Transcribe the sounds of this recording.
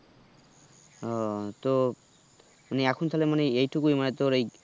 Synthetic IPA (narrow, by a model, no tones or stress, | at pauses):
ɔt̪o | maneakʰunt̪ʰalemaneejʈʰukujmanet̪oɾej